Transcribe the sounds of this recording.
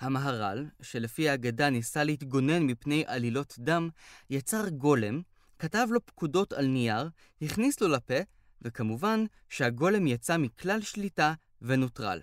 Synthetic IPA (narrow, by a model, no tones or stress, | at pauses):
hamaɦaʁa̰lʃe̞lefiaːɡadanisalehitɡo̞ne̞nmipne̞jʔalilo̞tdamjat͡saʁɡo̞le̞m | katavlo̞pkudo̞talnijaʁ | hiχnislolape̞ | vekamuvan | ʃehaɡo̞le̞mjat͡samiklalʃlita | ve̞notʁa̰l